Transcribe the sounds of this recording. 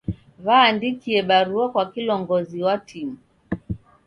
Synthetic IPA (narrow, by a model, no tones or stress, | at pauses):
vaːndikiɛɓaɾuakwakilɔŋɡɔziwatʰimu